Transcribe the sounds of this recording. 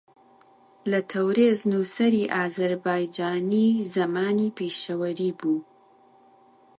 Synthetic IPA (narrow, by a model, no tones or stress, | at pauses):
lɐt̪ʰɐwɾeːznuːsɐɾiːʔaːzɐɾbaːjd͡ʒaːniːzɐmaːniːpʰeːʃɐwɐɾiːbuː